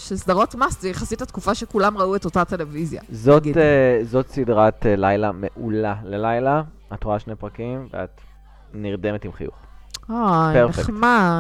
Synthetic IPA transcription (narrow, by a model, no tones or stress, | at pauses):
ʃesdɐʁo̞tmasvejeχasithat̪kufaʃekulamʁaueto̞tate̞levizja̰zotezot̪sidʁatlajlame̞ʔulalelajla | atʁoaʃnejpʁakimvea̰t̪ | niʁde̞metimχḭjṵχ | apeʁnifekχkma